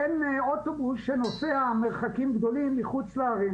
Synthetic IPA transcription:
enot̪o̞busʃeno̞seame̞ʁχakimɡd̪o̞limːiχut͡sleaʁe

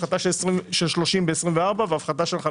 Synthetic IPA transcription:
χat̪aʃelsʁimʃelʃlo̞ʃimbeesʁimveaʁbaveafχat̪aʃelχa

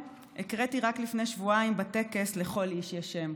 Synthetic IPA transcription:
ekʁetiʁaklifne̞jʃvuaimbate̞ke̞sleχo̞liʃjaʃem

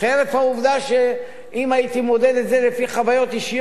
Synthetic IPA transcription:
χeɾefhauvd̪aʃe | imait̪imo̞d̪ed̪etze̞lefiχavajo̞t̪iʃij

